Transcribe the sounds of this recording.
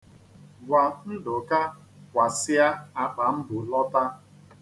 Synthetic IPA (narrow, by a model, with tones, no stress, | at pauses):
ɡʷa˨n̩˦dʊ˨ka˦ | kʷa˨sɪ˦a˦a˨k͡pa˨m̩˦bʊ˨lɔ˦ta˦